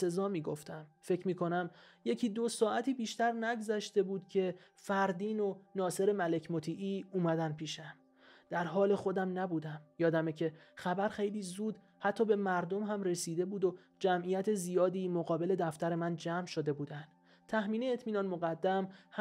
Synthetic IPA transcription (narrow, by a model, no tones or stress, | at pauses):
e̞zɒːmiːɡoft̪æmfe̞cʰmiːkʰo̞næmje̞cʰiːd̪osɒːʔæt̪ʰiːbiːʃt̪æɾnæɡzæʃt̪e̞buːd̪̥cʰe̞fæɾd̪iːno̞nɒːse̞ɾe̞mæle̞cʰmot̪ʰiːʔiːuːmæd̪ænpʰiːʃæm | d̪̥æɾɦɒːle̞xo̞d̪æmnæbuːd̪æmjɒːd̪æmecʰe̞xæbæɾxe̞jliːzuːd̪ | hæt̪ʰːɒːbe̞mæɾd̪o̞mɦæmre̞siːd̪e̞buːd̪o | d͡ʒæmʔijæt̪ʰezijɒːd̪iːmoɣɒːbe̞le̞d̪æft̪æɾe̞mænd͡ʒæmʃo̞d̪e̞buːd̪ænd̪̥ | t̪ʰːæhmiːneːt̪ʰmiːnɒːnmoɣæd̪ːæmh